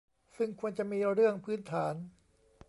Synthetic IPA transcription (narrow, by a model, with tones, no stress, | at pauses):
sɯ˥˩ŋkʰu˧ənt͡ɕa˧˨miː˧ɾɯ˥˩əŋpʰɯː˦˥nt̪ʰaː˩˦n